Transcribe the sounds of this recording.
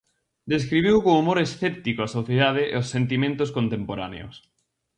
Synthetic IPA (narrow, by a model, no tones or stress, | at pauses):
d̪eskɾiβ̞iwkõŋumoɾesθɛp̚t̪ikoɐsoθjeðað̞eʔḛosːent̪̬imẽnt̪ʊskõnt̪empoɾanḛo̰s